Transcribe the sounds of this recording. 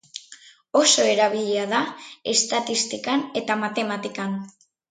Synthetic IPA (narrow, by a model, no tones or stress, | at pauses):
o̞so̞e̞ɾaβ̞iʎeaðae̞st̪at̪ist̪ikane̞t̪amat̪e̞mat̪ikan